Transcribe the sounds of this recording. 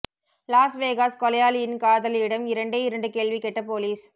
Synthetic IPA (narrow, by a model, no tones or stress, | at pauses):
laːsʋeːɣaːskɔlɐjaːlɪjɪnkaːðɐlɪɽɐmɪɾɐɳɖɐɪɾɐɳɖɯkeːɭʋikɛʈːɐpoːliːs